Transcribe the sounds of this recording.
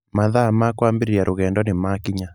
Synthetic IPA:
maðamakwambeɾeɾjaɾoɣɛndɔnemakiɲa

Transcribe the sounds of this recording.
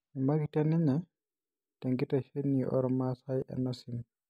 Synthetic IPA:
mimaɡitaniɲa | taŋɡitaʃenːiʔɔ̰ɾmasajʔɛ̰nːasin

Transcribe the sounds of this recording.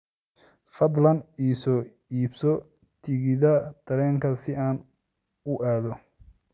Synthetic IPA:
fɐd̪lɐniːsɔː | iːbsɔ | t̪ʰɪɣɪðɐd̪̥ɐɾɛːŋkʰɐsɪaːn | ʊʔaːðɔ

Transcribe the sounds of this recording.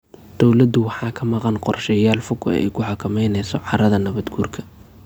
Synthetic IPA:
d̪̥ɔwlɐd̪ʊwɑħɑːkʰɐmɑqɑnqɔrʃɛjaːlfʊɡɛ̰ɛ̰jkʰʊħɑkʰɐmɛjnɛjsɔʕɑɾɐðɐnɐβɐd̪ɡʰuːrkʰɐ̥

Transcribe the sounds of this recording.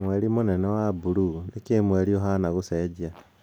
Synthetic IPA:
mweɾimonɛnɛwabuɾunekemweɾioɦanaɣosed͡ʑia

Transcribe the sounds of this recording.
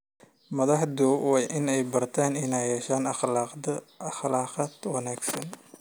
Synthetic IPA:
mɐðɑħd̪uwɑʔɪnɛjbɐrt̪ʰaːnɪnajɛːʃaːnɐ | xlɑːqɑd̪wɑnaːɡsɐn

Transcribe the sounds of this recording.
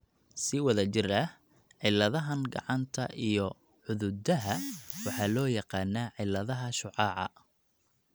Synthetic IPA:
sɪwɐðɐt͡ʃɪrɐh | ʕɪlːɐðɐɦɐnɡɑ̰ʕɑnt̪ʰɐ̰ʔijɔ | ʕʊðʊd̪ɐɦɐwɑħɑːlɔːjɑqɑːnːaːʕɪlːɐðɐɦɐʃʊʕɑːʕɑ̰

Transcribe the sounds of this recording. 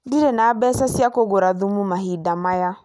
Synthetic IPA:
ndiɾɛnaːbɛsasiakoɡoɾaðumumaɦidamaja

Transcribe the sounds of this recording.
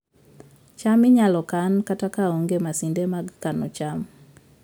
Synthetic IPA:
t͡ʃamɪɲalɔkankatakaoŋɡemasindemaɡkanɔt͡ʃam

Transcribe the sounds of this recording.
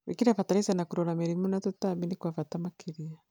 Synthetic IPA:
βikiɾafataɾisanakuɾɔɾamɛɾimunatutaminikwafatamakʰiɾia

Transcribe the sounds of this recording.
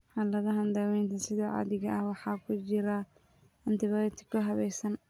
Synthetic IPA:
ħɑlɐɣɐɦɐnd̪ɐwɛjnt̪ʰɐsɪðɔːʕɑ̰ðɪɣɐɐhwɑħɑːkʰʊt͡ʃɪɾɐ | ɐnt̪ɪβɐt̪ʰɪ̥kkʰːʊɦɐβɛjsɐn

